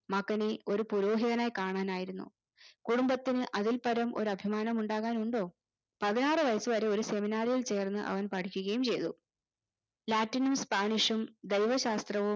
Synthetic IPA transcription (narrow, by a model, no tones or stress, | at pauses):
mɐkːɐneo̞ɾupuɾo̞ːɦiðɐnaːjkaːɳaːnaːjiɾunːṵ | kuɽumbɐt̪ːinɨʔɐðilpɐɾɐmʔo̞ɾuɐbʱimaːnɐmuɳɖaːɣaːnuɳɖo̞ː | pɐðinaːrɨʋɐjɐsɨʋɐɾe̞o̞ɾuse̞minaːɾijiɭt͡ɕe̞ːrnːɨʔɐ̰ʋɐnpɐʈʰikʲːuɣɐjumt͡ɕe̞jt̪ṵ | laːtːinumspaːɳiʂumd̪ejʋɐɕaːst̪rɐʋu